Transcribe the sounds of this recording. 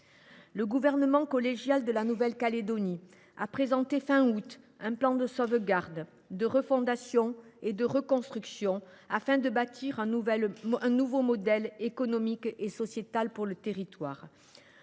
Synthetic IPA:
ləɡuvɛʁnəmɑ̃kɔleʒjald̪əlanuvɛlkaled̪ɔni | apχezɑ̃t̪efɛ̃ut̪ | ɛ̃plɑ̃d̪əsɔvəɡaʁd̪ | d̪əʁəfɔ̃d̪asjɔ̃ed̪əʁəkɔ̃st̪χyksjɔ̃ | afɛ̃d̪əbat̪ʰiʁ̃vɛɛ̃nuvomɔd̪ɛlekɔnɔmikesɔsjet̪alpuʁlət̪eʁit̪waːʁ

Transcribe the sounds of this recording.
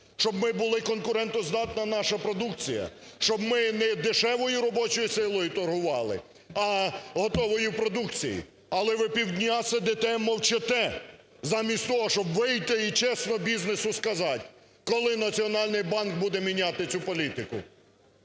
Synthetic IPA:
ʃt͡ʃɔbmɪbʊlˠɪkɔnkʊɾɛnt̪ɔzd̪ɑt̪nɐnɑʃɐpɾɔd̪uk̚t͡sʲijɐ̰ʃt͡ʃɔbmɪnɛd̪ɪʃɛʋɔjʊɾɔbɔt͡ʃɔjisɪlˠɔjʊt̪ɔrɦʊʋɑlˠɪ̰ | ɐɦɔt̪ɔʋɔjʊpɾɔd̪ukt͡sʲijḭ | ɐlˠɛʋɪpʲiwd̪ʲnʲasɛd̪ɪt̪ɛmɔwt͡ʃɪt̪ɛ | zɑmʲisʲtʲt̪ɔɦɔʃt͡ʃɔbʋɪjt̪ɪit͡ʃɛsnɔbʲiznesʊskɐzɑtʲ | kɔlˠɪnɐt͡sʲiɔnɑlʲnɪjbɑnk̚bud̪ɛmʲinʲɑt̪ɪt͡sʲupɔlʲit̪ɪkʊ̰

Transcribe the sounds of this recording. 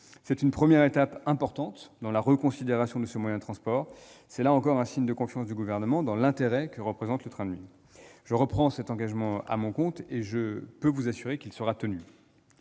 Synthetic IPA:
sɛt̪ynpχəmjɛʁet̪apɛ̃pɔʁt̪ɑ̃t̪d̪ɑ̃laʁəkɔ̃sid̪eʁasjɔ̃d̪əsəmwajɛ̃d̪ət̪χɑ̃spɔːʁsɛlaɑ̃kɔʁɛ̃siɲd̪əkɔ̃fjɑ̃sd̪yɡuvɛʁnəmɑ̃d̪ɑ̃lɛ̃t̪eʁɛkəʁəpχezɑ̃t̪lət̪χɛ̃d̪ɥḭ | ʒ̥əʁəpχɑ̃sɛt̪ɑ̃ɡaʒmɑ̃a̰mɔ̃kɔ̃t̪eʒəpøvuzasyʁekʲilsəʁat̪əny

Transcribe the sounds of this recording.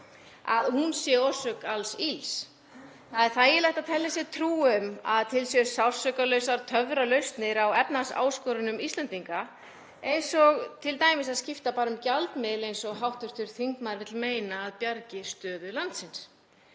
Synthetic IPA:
aðhunsjɛosœkalsils | θaðɛɾ̥θaðjɛlajht̪at̪ʰɛlːɪsjɛt̪ʰɾuːʏma̰ðt̪ʰɪlsjɛsawr̥sœkalœɥsaɾt̪ʰœvɾalœɥst̪nɪɾawɛpnasa̰ːwskɔɾʏnʏmist̪ɛnt̪iŋka | ejnsɔɣt̪ʰɪlt̪aːjmɪsaðscɪft̪apaːɾʏmcalt̪mɪðlejnsɔɣɦawht̪ʏɾ̥t̪ʏɾ̥θiŋkmaɾvɪt̪lmeːjnaːðpjaɾcɪ̥st̪œːðʏlant̪sɪns

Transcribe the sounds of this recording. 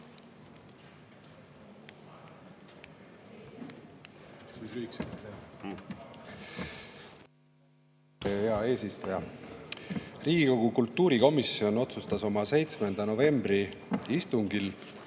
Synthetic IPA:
eheɑe̞ːsist̪ɑjɑ | riːɡ̥iko̞ɡ̥ukult̪ːuːɾiko̞misio̞no̞t̪sust̪ɑso̞mɑse̞jt̪sme̞nd̪̥ɑno̞ve̞mbri | ist̪uŋɡ̥il

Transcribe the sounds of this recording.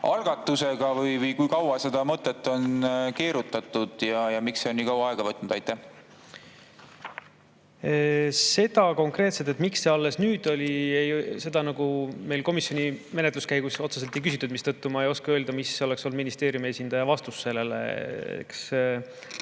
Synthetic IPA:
ʔɑlɡ̥ɑt̪ːˑuse̞ɡ̥ɑvɯjvɯjkujkɑwɑse̞d̪̥ɑmɤt̪ːˑet̪ːˑo̞nke̞ːɾut̪ːˑɑt̪ːˑud̪̥jɑjɑmiksse̞oniːkɑwɑɑe̞ɡ̥ɑvɤt̪ːnud̪ɑjt̪ːˑæh | se̞d̪̥ɑko̞ŋkre̞ːt̪set̪e̞t̪miksːe̞ɑlːe̞snyːd̪̥o̞lʲiejse̞d̪ɑnɑɡ̥ume̞jlko̞misjo̞nime̞net̪luskæjɡ̥uso̞t̪sese̞lt̪ːejkysit̪ːˑud̪̥mist̪ɤt̪ːumɑejo̞skeø̞ːld̪̥ɑmiseo̞leksolːud̪minist̪e̞ːɾjumie̞sind̪̥ɑjɑvɑst̪usːe̞lːe̞lḛḛks

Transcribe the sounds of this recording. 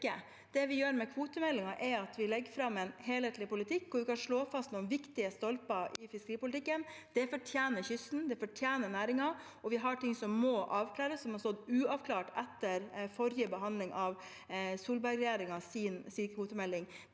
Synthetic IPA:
ə | d̪̥ɛʋɪjøːɾmɛkʰʋuːt̪əmɛlːɪŋɑʔɛɾɑt̪ʋɪlɛɡːfɾɑmːɛnheːleːt̪lɪpʊlɪt̪ʰɪkːkːʊɾʋɪkɑnʂɭoːfɑst̪nuːənʋɪkt̪ɪəst̪ɔlpɑʔɪfɪskəɾiːpʊlɪt̪ɪkːənd̪̥ɛfɔʈʰjeːnəçʏsn̩d̪ɛfɔʈʰjeːnənæːɾɪŋɑ | ɔʋɪɦɑʈɪŋsɔmːɔʔɑːʋkʰlæːɾəsːɔmhɑst̪ɔd̪ʉːɑʋkʰlɑːʈɛt̪ːəɾfɔɾjəbəɦɑnd̪lɪŋʔɑʋ | suːlbɑɾɡɾɛjeːɾɪŋɑsiːnsiːkʰʋuːt̪əmɛlːɪŋ

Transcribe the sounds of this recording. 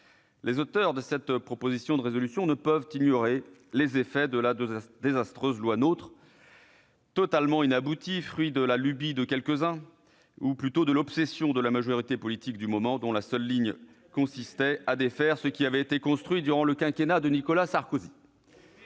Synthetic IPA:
lezot̪œʁd̪əsɛt̪pχɔpozisjɔ̃d̪əʁezɔlysjɔ̃nəpœvt̪injɔʁelezefɛd̪əlad̪ezast̪χøzlwanot̪χ | t̪ɔt̪almɑ̃inabut̪ifχɥid̪əlalybid̪əkʲɛlkəzɛ̃ | uplyt̪od̪əlɔpsɛsjɔ̃d̪əlamaʒɔʁit̪epɔlit̪ikd̪ymɔmɑ̃d̪ɔ̃lasœlːiɲ | kɔ̃sist̪ɛad̪efɛʁsəkʲiavɛet̪ekɔ̃st̪χɥid̪yʁɑ̃ləkʲɛ̃kʲenad̪ənikɔlasaʁkozi

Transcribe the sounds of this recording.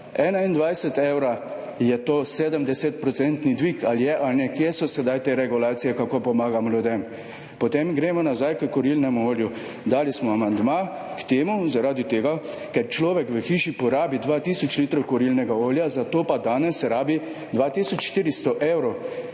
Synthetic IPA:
ɛːnaind̪ʋajsɛt̪eːwɾa | jɛt̪oːseːd̪əmd̪ɛset̪pɾɔsɛnt̪nid̪ʋikaljɛʔalnɛkjesɔsɛd̪ajt̪eːɾɛɡulaːt̪sijɛkakopɔmaːɡamɔljud̪em | pɔt̪emɡɾemɔnazajkəkɔɾilnɛmuoːlju | d̪aːlismɔamand̪maː | kt̪eːmuzaɾaːd̪it̪eːɡa | kɛɾt͡ʃlɔːʋɛkʋəxiːʃipɔɾaːbid̪ʋat̪iːsɔt͡ʃliːt̪ɾɔwkɔɾilnɛɡaoːljazat̪oːpad̪aːnɛsɾaːbi | d̪ʋaːt̪iːsɔt͡ʃʃt̪iːɾist̪ɔʔewɾɔ

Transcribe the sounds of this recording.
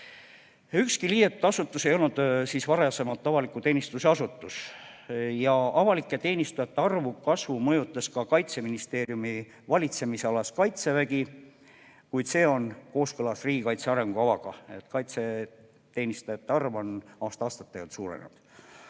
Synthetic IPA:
ykskiliːjet̪ud̪̥ɑsut̪ːˑuse̞jo̞lnud̪̥siːsvɑɾese̞mɑlt̪ˑːɑvɑlikːˑut̪e̞ːnist̪use̞ɑsut̪ːˑus | jɑʔɑvɑlikːˑet̪e̞ːnist̪ujɑt̪ːˑeɑrvukɑsvumɤjut̪ːˑɑskɑkɑjt̪se̞minist̪e̞ːɾjumi | vɑlʲit̪se̞mise̞ɑlɑskɑjt̪se̞væɡi | kujd̪se̞ːo̞nko̞ːskɤlɑsriːɡ̥ikɑjt̪se̞ɑɾe̞ŋɡ̥uɑvɑɡ̥ɑe̞̰t̪kɑjt̪se̞ | t̪e̞ːnist̪ujɑt̪ːeɑrvo̞nɑːst̪ɑɑːst̪ɑt̪ːeɡɑt̪suːɾḛnḛd̪̥

